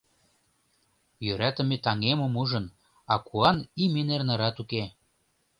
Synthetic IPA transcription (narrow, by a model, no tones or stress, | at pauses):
jøɾæt̪ə̆met̪ɑŋemomuʒə̆n | ɑkʰuɑnimenernɤ̆ɾɑt̪uke